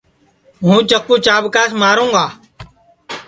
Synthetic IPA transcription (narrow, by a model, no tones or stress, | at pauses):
ɦũːt͡ʃəkːũːt͡ʃaːbkaːsmaːɾũːŋɡaː